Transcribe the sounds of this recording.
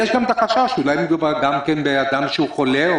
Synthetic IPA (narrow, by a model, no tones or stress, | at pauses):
jɛʃɡamet̪aχaʃaʃulajbiɡavaɡamkenbead̪amʃeuxo̞le